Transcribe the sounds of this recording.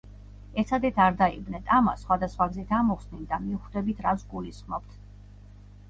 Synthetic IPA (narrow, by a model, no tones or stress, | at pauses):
ɛɾt̪sʰad̪ɛt̪ʰaɾd̪aibnɛt̪ʼama̰sχwad̪asχwaɡzit̪ʰamɔχsnind̪amiuχd̪ɛbit̪ʰɾasɡulisχmɔp̚t̪ʰ